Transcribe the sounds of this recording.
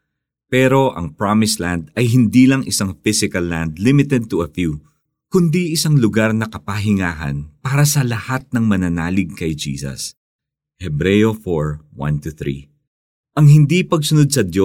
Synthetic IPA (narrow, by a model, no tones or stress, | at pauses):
pɛːɾo̞ʔɐ̰ŋpɹamɪsland̪ɐjɦɪnd̪iːlɐŋɪsaŋfɪsɪkɐlːãnd̪lɪmɪt̪ɛd̪̚t̪uɐfju | kʊnd̪iɪsaŋlʊɡaɾnɐkɐpaɦɪŋaːɦɐ̰npaːɾɐsɐlɐhat̪̚nɐŋmɐnɐnaːlɪɡ̚kɐjd͡ʒḭːsɐ̰s | hɛbɾɛjofoɹwɐ̰nt̪uθɾḭ | ʔɐŋɦɪnd̪ipɐɡ̚sʊnod̪̚sɐd̪jo